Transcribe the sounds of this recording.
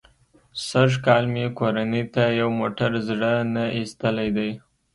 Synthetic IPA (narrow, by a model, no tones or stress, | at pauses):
səʒkɑlmekoɾanit̪ajawmoʈaɾzɽənaist̪əlajd̪aj